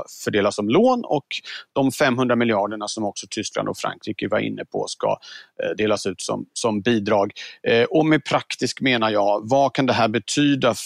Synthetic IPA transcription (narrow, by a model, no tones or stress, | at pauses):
fœɖeːlasɔmloːnɔkd̪̥ɔmfɛmːɦɵnd̪ɾamɪljɪɑːɖəɳasɔmɔksɔt̪ʰʏskla̰nd̪ɔfɾa̰ŋkʰɾiːkəva̰ɾɪ̰nːəpʰɔ̰ska̰d̪eːlasʉ̟ːt̪sɔ̰msɔmbiːd̪ɾɑːɡʔɔmɛpʰɾakt̪ɪskmeːnajɑːvakʰand̪ɛɦæːɾbɛt̪ʰyːd̪a